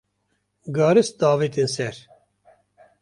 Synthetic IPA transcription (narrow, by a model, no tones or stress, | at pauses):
ɡɑːɾɨsd̪ɑːviːt̪ensɛɾ